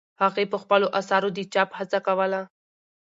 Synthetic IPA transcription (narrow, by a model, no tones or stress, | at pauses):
haɣepəxpəloʔasɑɾod̪it͡ʃɑphat͡sakawəla